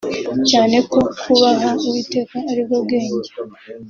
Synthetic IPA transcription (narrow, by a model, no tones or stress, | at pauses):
caːne̞ko̞kʰuβaɦauwite̞ːkaːɾibɡo̞b̚ɡe̞ːɲɟe